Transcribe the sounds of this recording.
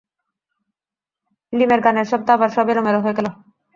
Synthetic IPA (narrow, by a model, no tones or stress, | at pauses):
limeɾɡaneɾʃɔb̚t̪abaɾʃɔbeɾomeɾoɦoeɡɛlo